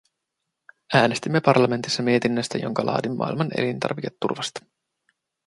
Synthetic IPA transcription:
æːnest̪imːe̞pɑrlɑme̞nt̪isːɑmie̞t̪inːøst̪æ̰jo̞̰ŋkɑlʔɑ̰ːdimːɑ̰ːilmɑne̞̰lint̪ɑ̰rʋike̞t̪ːurʋɑst̪ɑ̥

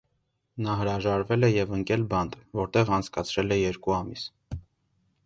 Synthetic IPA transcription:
nɑɦəɾɑʒɑɾvɛlɛjɛvəŋkɛlbɑnd̪vɔɾt̪ɛʁɑnt͡sʰkɑt͡sʰɾɛlɛjɛɾkuɑmis

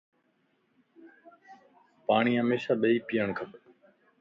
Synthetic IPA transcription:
paːɳ̃iːɦəmeːʃaːɓəiːpiːəɳkʰəp

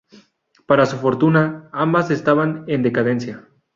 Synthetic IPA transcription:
paɾasufo̞ɾt̪unaambase̞st̪aβane̞nd̪e̞kað̞e̞nsja

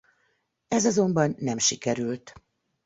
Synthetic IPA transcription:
ɛzɒzo̞mbɒnːɛmʃikɛɾylt̪

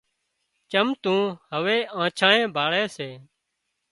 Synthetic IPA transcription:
t͡ʃəmt̪ũːhəʋeːãːt͡ʃʰãːnẽːbʱaːɭeːseː

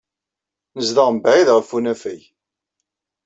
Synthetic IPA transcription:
nəzðɑʁmbʕiðʁəfːunæfæj

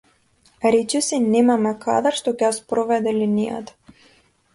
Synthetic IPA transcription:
ɾɛt͡ʃɛsinɛmamɛka̰d̪əɾʃt̪ɔcɛjaspɾɔvɛd̪ɛlinija̰t̪ḁ

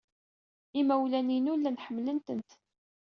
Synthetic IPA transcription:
imæwlæninulːænħəmːlənt̪ənt̪

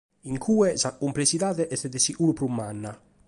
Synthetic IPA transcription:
iŋkʰuːɛsakːumplesiðaːðɛʔɛt̪ːɛd̪ɛsiʔulupɾumːanːa

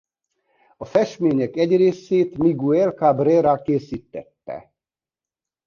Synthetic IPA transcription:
ɒfɛʃmeːɲɛkɛɟreːseːt̪miɡuɛlkabrɛːɾakeːsiːt̪ːɛt̪ːɛ̰

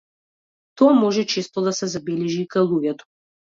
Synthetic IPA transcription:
t̪ɔamɔʒɛt͡ʃest̪ɔd̪asɛzabɛlɛʒikajlˠuɡʲɛt̪ɔ̥

